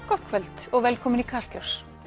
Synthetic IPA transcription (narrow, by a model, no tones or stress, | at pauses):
kɔht̪kʰvɛlt̪ɔɣvɛlkʰɔːmɪnikʰarst̪lɔws